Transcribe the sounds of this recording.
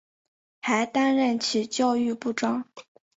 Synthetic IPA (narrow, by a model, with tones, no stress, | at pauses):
xa˧˥ɪt̪a˥nɻə˥˩nt͡ɕʰi˨˩t͡ɕjɑ˥˧ʊy˥˧pu˥˩ʈ͡ʂwɑ˥ŋ